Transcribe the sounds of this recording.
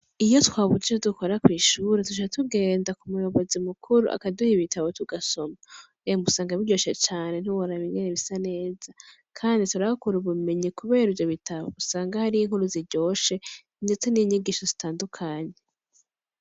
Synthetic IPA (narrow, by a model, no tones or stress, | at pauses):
ijo̞twaːβud͡ʒet͡ʃoduko̞ɾakwiːʃuːɾetut͡ʃaatuɡe̞ːndakumujo̞βo̞zimukʰuɾṵʔa̰kaduhiβitaβo̞tuɡaso̞ma | emusaːŋɡaβiɟo̞ːʃe̞t͡ʃaːne̞n̥uwoɾaβiŋɡeɾeβisane̞ːza | kʰaːndituɾahakuɾuβume̞ɲikuβe̞ːɾivjo̞βitʰaβo̰usaːŋɡahaɾijiŋ̥uɾuziɟo̞ːʃe̞ | nde̞t͡se̞niɲiɡiʃozitaːndukʰaːɲe̞